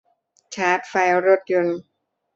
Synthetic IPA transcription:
t͡ɕʰaː˦˥t̪̚fa˧jɾo˦˥˩t̪̚jo˧n

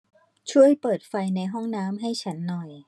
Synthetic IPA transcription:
t͡ɕʰu˥˩əjpɤː˨˩t̪̚fa˧jna˧jɦɔ˥˩ŋnaː˦˥mɦa˥˩jt͡ɕʰa˦˥nːɔ˨˩j

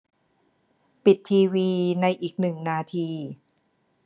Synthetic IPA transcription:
pi˨˩t̪ʰːiː˧wiː˧na˧jʔiː˨˩k̚nɯ˨˩ŋnaː˧t̪ʰiː˧

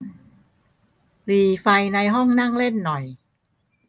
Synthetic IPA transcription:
liː˨˩fa˧jna˧jɦɔ˥˩ŋna˥˩ŋle˥˩nːɔ˨˩j

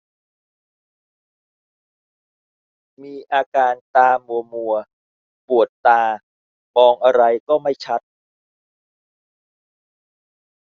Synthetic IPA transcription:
miː˧ʔaː˧kaː˧nt̪aː˧mu˧ɐmu˧ɐ | pu˨˩ət̪ːaː˧ | mɔː˧ŋʔa˧ɾa˧jkɔː˥˩ma˥˩jt͡ɕʰa˦˥t̪̚

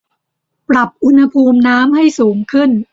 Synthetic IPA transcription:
pɾa˨˩p̚ʔu˧nha˧pʰuː˧mnaː˦˥mha˥˩jsuː˩˦ŋkʰɯ˥˩n

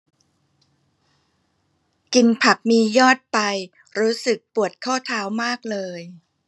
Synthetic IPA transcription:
ki˧npʰa˨˩p̚miː˧jɔː˥˩t̪̚pa˧j | ɾuː˦˥sɯ˨˩k̚pu˨˩ət̪̚kʰɔː˥˩t̪ʰaː˦˥wmaː˥˩k̚lɤː˧j

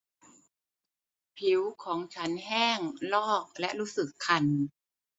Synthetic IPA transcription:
pʰi˩˦wkʰɔː˩˦ŋt͡ɕʰa˦˥nɦɛː˥˩ŋlɔː˥˩k̚lɛ˦˥ʔɾuː˦˥sɯ˨˩kʰːa˧n

